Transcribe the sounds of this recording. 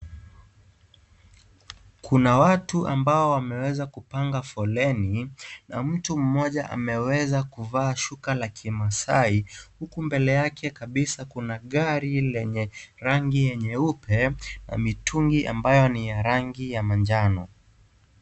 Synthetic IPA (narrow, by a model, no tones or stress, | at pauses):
kʰunawatuʔambaɔwamɛwɛzakupaŋɡafɔlɛnina̰m̩tum̩mɔʄaʔa̰mɛwɛzakuvaːʃukalakʰimasaihukumbɛlɛjakʰɛkaɓisakunaɠaɾilɛɲɛɾaŋɡijɛɲɛupʰɛna̰mitʰuŋɡiʔa̰mbajɔnijaɾaŋɡijamand͡ʒanɔ